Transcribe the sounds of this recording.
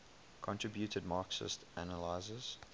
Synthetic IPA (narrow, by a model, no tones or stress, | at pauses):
kʰɔ̃ntʰɹ̥ɪbjutʰəd̚mɑːksə̰stænəlaɪzəz̥